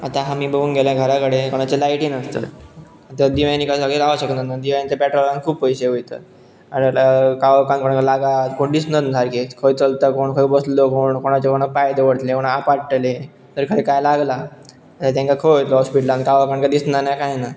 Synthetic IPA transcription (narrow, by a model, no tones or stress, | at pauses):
at̪aɦamiːbəɡuːnɡʱelaɡʱəɾakəɽekoɽ̃at͡ɕelajʈiːnəst̪ə̰ | at̪ad̪iʋajnikasaɡeɾaʋaɕəkət̪nənad̪iʋajnt͡ɕ̪apɛʈɾolãnkʰuːbpəjseojt̪ə̰ | aɾkaʋkankoɽ̃akalaɡat̪koɳd̪isnət̪nd̪ʰʱaɾkikʰojt͡səlt̪əkoɳkʰəjbəslokoɳkoɽ̃at͡ɕekoɽ̃apajd̪əʋəɽt̪lekoɽ̃aapaɽʈəle | t̪əɾkʰəɽekajlaɡla | at̪at̪jãŋkakʰəjɦojt̪lɔɦɔspiʈlãnkaʋakankad̪isnanakajna